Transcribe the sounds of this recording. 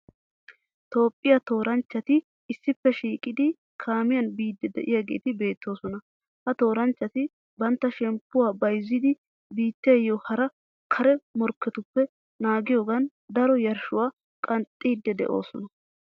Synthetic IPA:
t̪o̞ːpʼːɪjɐt̪o̞ːɾɐnt͡ʃːɐt̪ɪː | sːɪpːɛʃiːkʼɪd̪ɪ | kʰaːmɪjɐnbiːd̪ːɛd̪ɛ̰ʔɪjaɡe̞̰ːt̪ɪbe̞ːt̪ːo̞ːsɔnɐ | hɐt̪o̞ːɾɐnt͡ʃːɐt̪ɪ | bɐnt̪ːɐʃɛmpːʊwaːbɐjzːɪd̪ɪ | biːt̪ːeːjoːhɐɾɐ | kʰɐɾɛmɔɾkːɛt̪ʊpːɛ | naːɡɪjo̞ːɡɐn | d̪ɐɾɔjɐɾʃʊwaː | kʼɐnt̪ʼːiːd̪ːɛd̪ɛ̰ʔo̞̰ːsɔnɐ

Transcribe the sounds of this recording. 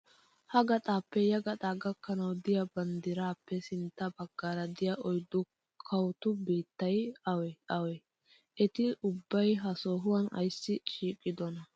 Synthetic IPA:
hɐɡɐt̪ʼaːpːɛjɐɡɐt̪ʼaːɡɐkːɐnɐwd̪ɪjɐbɐnd̪ɪɾaːpːɛsɪnt̪ːɐbɐɡ̥ːaːɾɐd̪ɪjɐʔɔjd̪ːʊ | kʰɐwt̪ʊbiːt̪ːɐjɐwɛɐwɛ | ʔɛt̪ɪʊbːɐjɦɐsoːɦʊwɐnɐ̰jsːɪt͡ʃiːkʼːɪd̪ɔnɐ

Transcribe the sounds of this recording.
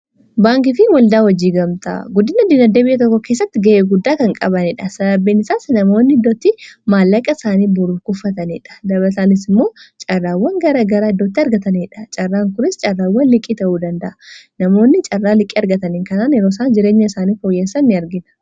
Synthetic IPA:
baːŋkɪfɪwɐld̪aːwɐd͡ʒiːɡɐmt̪ɐ̰ɡʊd̪ɪnɐd̪ɪnɐd̪ːeːbɪjʔːɐt̪̬ɔkːɔke̞ːsːɐt̪ːɪɡɐʔeːɡʊd̪ːaːkɐŋkʼɐbɐnɪᶑɐsɐdɐbːiːnɪsaːsnɐmo̞ːnːɪɪd̪ːoːt̪ːɪmaːlːɐkʼːɐsaːniːbʊɾukʊfːɐt̪ɐniᶑɐ̥d̪ɐblɐsaːnɪs̬ɪmːo̞ːt͡ʃʼɐrːaːwːɐŋɡɐɾɐɡɐɾɐːd̪ːoːt̪ːɪɐɾɡɐt̪ɐniᶑɐ̥t͡ʃʼɐrːaːŋkʊɾɪst͡ʃʼɐrːaːwːɐnlɪkʼːiːt̪ɐʔuːd̪ɐnd̪ɐʔɐ̥nɐmo̞ːnːɪt͡ʃʼɐrːaːlɪkʼiːɐɾɡɐt̪ɐniŋkɐnaːnɛɾoːsaːnd͡ʒɪɾe̞ːɲːɐɪsaːniːfo̞ːjːesːɐnːɪɐɾɡɪnɐ̥

